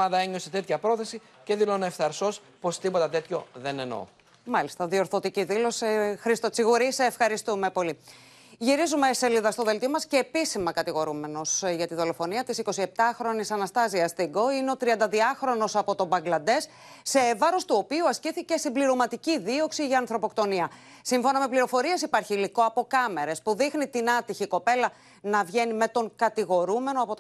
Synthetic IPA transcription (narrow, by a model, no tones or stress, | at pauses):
ɐðɐeɲo̞set̪e̞t̪çɐpɾo̞θe̞si | ce̞ðiloneefθɐɾso̞s | po̞st̪ipo̞t̪ɐt̪e̞t̪ço̞ðe̞neno̞̰ | mɐlist̪ɐðio̞ɾθo̞t̪iciðilo̞sixɾist̪ot͡siɣuɾisefxɐɾist̪ume̞po̞li | ʝiɾizume̞ːseliðɐst̪o̞ðe̞lt̪io̞mɐsce̞ːpisimɐkɐt̪iɣo̞ɾume̞no̞sʝɐt̪iðo̞lo̞fo̞niɐt̪isiko̞sie̞p̚t̪ɐxɾo̞nisɐnɐst̪ɐziɐst̪iɡo̞ineo̞t̪ɾiɐnd̪ɐðiɐxɾo̞no̞sɐpo̞t̪o̞bɐŋɡlɐd̪e̞sː | e̞vɐɾo̞st̪uo̞piuɐsciθice̞st̪imbliɾo̞mɐt̪iciðio̞ksiʝɐːnθɾo̞po̞kt̪o̞niɐ | siɱfo̞nɐme̞pliɾo̞fo̞ɾie̞sipɐɾçiliko̞ɐpo̞kɐme̞ɾe̞spuðixnit̪inɐt̪içiko̞pe̞lɐ | nɐvʝe̞nime̞t̪o̞ŋkɐt̪iɣo̞ɾume̞no̞ɐpot̪